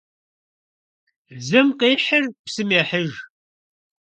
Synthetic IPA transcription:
zəmqiħəɾpsəmiħəʒ

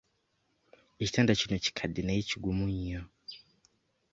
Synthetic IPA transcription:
iitandat͡ʃunɔt͡ʃi̥kʰaɗinait͡ʃuɡumuɲiɔ

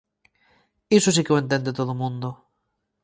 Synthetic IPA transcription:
esosikeoent̪̬end̪et̪oðomũnd̪o

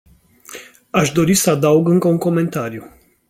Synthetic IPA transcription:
aʃd̪o̞ɾisəad̪auɡɨŋkəuŋko̞me̞nt̪aɾiju

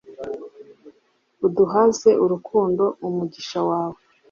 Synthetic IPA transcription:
uduɦaze̞ʔuɾukʰuːndo̞umuɟiʃawaːwe

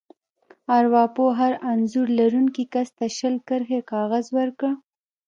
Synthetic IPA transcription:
aɾwɑpoɦaɾanzuɾlaɾuŋkikast̪aʃəlkəɾxekɑɣazwəɾkəɽ

